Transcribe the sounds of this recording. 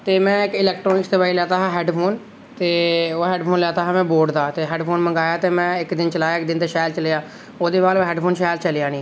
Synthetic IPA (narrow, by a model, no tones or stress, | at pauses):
t̪eːmɛ̃ːɪkɪlɛːkʈɾoːnɪksd̪eːbaːiːlɛːt̪aːɦaːɦɛːɖpʰoːn | t̪eːoːɦɛːɖpʰoːnlɛːt̪aːɦãːmɛ̃ːboːɾɖd̪aːt̪eːɦɛːɖpʰoːnməŋɡaːjaːt̪eːmɛ̃ːɪkd̪ɪnt͡ʃəlaːjaːɪk̚d̪ɪnd̪eːʃaːlt͡ʃəleːaː | oːd̪eːʋaːlːɦɛːɖpʰoːnʃaːjlt͡ʃəlejãːnĩː